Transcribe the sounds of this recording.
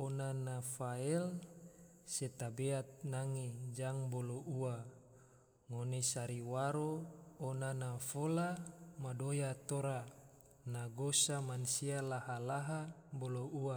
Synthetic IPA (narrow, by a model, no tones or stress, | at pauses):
onanafaɛl | set̪abeat̪̚naŋed͡ʒaŋboloua | ŋonesaɾiwaɾoːnanafolamadojat̪oɾa | naɡosamansialaɦalaɦaboloua